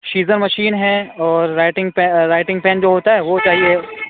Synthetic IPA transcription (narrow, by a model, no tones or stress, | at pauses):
ʃiːzəɾmɐʃiːnɦɛɔːɾːaːɪʈɪ̃ŋɡpɛːaːɪʈɪ̃ŋɡpɛ̃ːnd͡ʒoːɦoːt̪aɦɛːʋot͡ʃaːɦie